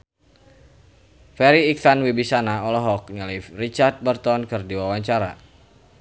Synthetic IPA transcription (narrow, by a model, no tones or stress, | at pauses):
fɛɾiːk̚sanwibisanaɔlɔɦɔkɲəlifrit͡ʃart̪̚bərt̪ɔnkɨrdiwawaɲt͡ʃaɾa̰